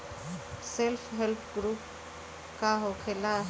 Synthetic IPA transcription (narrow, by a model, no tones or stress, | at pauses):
selfʰɦelpʰɡɾuːp̚ | kaɦokʰela